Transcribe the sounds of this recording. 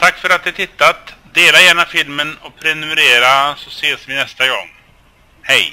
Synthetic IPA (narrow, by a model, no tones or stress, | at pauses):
t̪ʰakːfœɾat̪̚d̪ɪhat̪ʰɪt̪ːat̪d̪eːlajæːɳafɪlmənɔpʰɾɛnɵmɛɾeːɾasɔseːsvɪnɛst̪aɡɔ̰ŋː | hɛj